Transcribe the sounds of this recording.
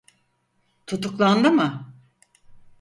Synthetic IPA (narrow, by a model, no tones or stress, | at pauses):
t̪ʰut̪uklˠand̪ɯmɯ